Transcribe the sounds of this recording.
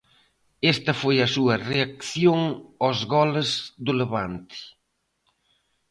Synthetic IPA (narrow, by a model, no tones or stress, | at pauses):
est̪ɐfojɐsuɐreakθjoŋozɣɔlɪzd̪ʊleβant̪ɪ̥